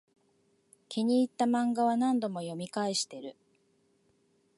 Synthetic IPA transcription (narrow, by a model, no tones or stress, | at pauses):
kʲiɲ̟iːt̪ːamãŋɡaβanãnd̪o̞mo̞jo̞mʲikaiɕi̥t̪e̞ɾɯ̟